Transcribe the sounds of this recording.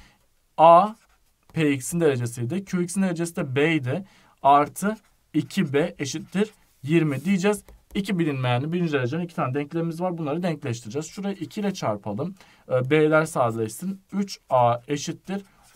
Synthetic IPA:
aː | pʰeicsind̪eɾe̞d͡ʒesijd̪ɪcʰyicsind̪e̞ɾed͡ʒesinɛbejd̪ɛ | aɾt̪ʰɯ | icʰibɛʔeʃit̪ːiɾ | jiɾmid̪ijid͡ʒɛzicʰibilʲinmejnibilind͡ʒd̪eɾed͡ʒenicʰit̪ʰaːnɛd̪ɛɲclʲeɾimizvaɾbunlˠaɾɯd̪ɛɲclʲæʃt̪ʰiɾɯd͡ʒazʃuɾajɯʔicʰilʲɛt͡ʃʰaɾpʰalˠɯmː | beːlʲæɾsaːd̪lˠeʃsɯnyt͡ʃaːeʃit̪ːiɾ

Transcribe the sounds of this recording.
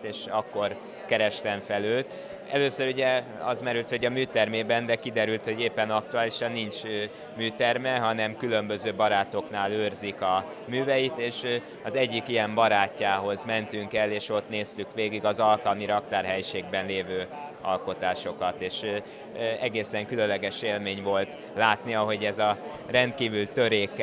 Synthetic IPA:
t̪eːʃɒkːo̞r | kɛɾɛʃt̪ɛɱfɛløːt̪ | ɛløːsøɾuɟɛɒ̰zmɛɾylt̪ho̞ɟɒmyːt̪ɛrmeːbɛnd̪ɛkid̪ɛɾylt̪ho̞ɟeːpːɛnɒk̚t̪uaːliʃɒnːint͡ʃ | myːt̪ɛrmɛɦɒnɛmkylø̞mbø̞zøːbɒɾaːt̪o̞kn̪aːløːrzikɒ | myːvɛjit̪eːʃ | ɒzɛɟːikijɛmbɒɾaːcːaːɦo̞zmɛnt̪yŋkɛleːʃo̞t̪neːst̪ykʋeːɡiɡɒzɒlkɒlmiɾɒkt̪aːrɦɛjʃeːɡbɛnleːvøː | ɒ̰lko̞t̪aːʃo̞kɒt̪eːʃ | ɛɡeːsɛŋkylønlːɛɡɛʃeːlmeːɲvo̞lt̪ | laːt̪niɒɦo̞ɟɛzɒ | rɛnt̪kiːvylt̪ø̞ɾeːkː

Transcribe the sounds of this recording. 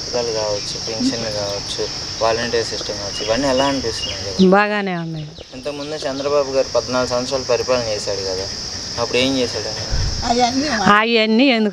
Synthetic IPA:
t̪ikaːlukaːʋɐt͡ʃːupeŋkʃɐnlukaːʋɐt͡ʃːu | ʋaːlɐɳʈeːɾsisʈɐmkaːʋɐt͡ʃːuiʋaːɳːiɛlaːɐɳpist̪und̪ɐkɐbaːɡaːneːunːaːj | int̪ɐkɐmund̪ut͡ʃɛnd̪ɾɐbaːbuɡaːɾipɐd̪ɐnaːlɐks̬ɐ̃ʋɐt̪sɾaːlɐpɐɾipaːɭɐɲt͡ʃɛːsaːɽukɐd̪aː | ɐpːuɽeːɲt͡ʃeːsaːɽɐɐ | aːjɐnːiend̪u

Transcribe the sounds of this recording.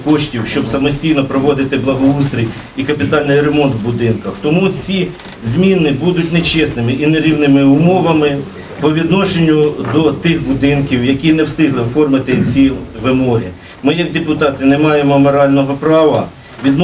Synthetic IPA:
kɔʃtʲiwʃt͡ʃɔbsɐmɔsʲtʲijnɔpɾɔʋɔd̪ɪt̪ɪblˠɐɦɔust̪ɾʲij | ikɐpʲit̪ɑlʲnɪjɾemɔnt̪bʊd̪ɪnkɐxt̪ɔmut͡sʲi | zʲmʲinɪbud̪ʊtʲnet͡ʃɛsnɪmɪʔineɾʲiwnɪmɪʊmɔʋɐmɪ | pɔʋʲid̪nɔʃenʲːʊd̪ɔt̪ɪxbʊd̪ɪnkʲiwjɐkʲinɛwst̪ɪɦlˠɪfɔrmɪt̪ɪt͡sʲiʋɪmɔɾʲḭ | mɪjɐɡ̚d̪epʊt̪ɑt̪ɪnɛmɑjemɔmɔɾɑlʲnɔɦɔpɾɑʋɐ | ʋʲid̪n

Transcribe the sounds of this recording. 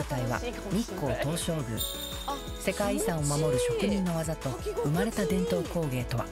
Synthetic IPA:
at̪aiβa̰ | ɲ̟ʲikːo̞ːt̪o̞ːɕo̞ːɡɯ̟̰ | se̞kaiːsãɰ̃o̞mamo̞ɾɯ̟ɕo̞kɯ̟ɲ̟ĩnːo̞βazat̪o̞ɯmaɾe̞t̪ad̪ẽ̞nt̪o̞ːko̞ːɡe̞ːt̪o̞βa̰

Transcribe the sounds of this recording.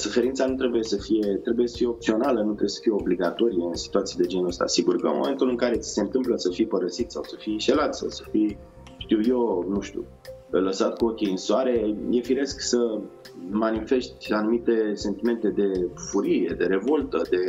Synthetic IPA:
sufe̞ɾint̪sanut̪ɾebuje̞səfije̞t̪ɾe̞buje̞sə̥fije̞op̚t̪sio̞nalənut̪ɾebjesə̥fije̞obliɡat̪o̞ɾijeɨnsi̥t̪uat̪sijad̪e̞d͡ʒenost̪a̰siɡurkə̰mo̰me̞nt̪ulɨŋkaɾe̞t̪si̥se̞ɨnt̪ɨmpləsəfijpəɾəsit̪sawsəfiʃe̞lat̪sa̰wsə̥fij | ʃt̪iwjo̞nuʃt̪ṵ | ləsat̪kuokʲiɨnswaɾe̞jefiɾe̞sksə | manife̞ʃt̪ʲanumit̪e̞se̞nt̪ime̞nt̪e̞d̪e̞fuɾie̞d̪e̞ɾe̞vo̞lt̪əd̪e̞

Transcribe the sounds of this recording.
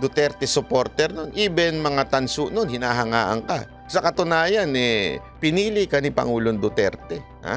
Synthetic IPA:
d̪ʊt̪ɛɾt̪ɛsopoɾt̪ɛɾnonʔiːbɛnmɐŋat̪ɐnsʊnonhɪnaːɦɐŋaːʔɐ̰ŋka̰ | sɐkɐt̪ʊnaːjɐnɛpɪniːlɪkɐnɪpɐ̰ŋuːloŋd̪ʊt̪ɛ̰ɾt̪ɛ | ha̰

